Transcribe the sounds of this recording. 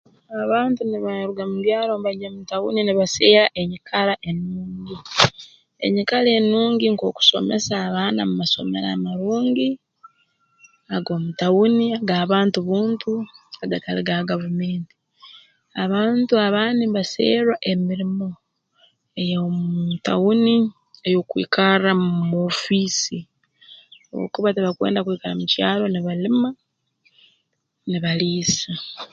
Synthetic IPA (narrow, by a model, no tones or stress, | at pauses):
aβaːntuniβaɾuɡamudjaːlomβaɟamutawṵniniβaseːɾaʔe̞ɲikʰalaʔe̞nːuːɲɟi | e̞̰ɲikale̞nːuːɲɟiŋko̞ku̥so̞̰me̞̰saːβaːnamumaso̞̰meɾa̰ːmaɾuːɲɟi | aɡo̞ːmutawuniaɡaːβaːntuβuːntʰuaɡataliɡaɡavume̞ːnti̥ | aβaːntuaβaːniβasḛːɾwaʔemiɾimo̞ | ejomtawuni | ejo̞kwḭːkaɾamuuumo̞fisi | o̰o̰kuβateβakwe̞̰ːndakwiːkaɾa̰mucaːlo̞niβalima | niβaliːsa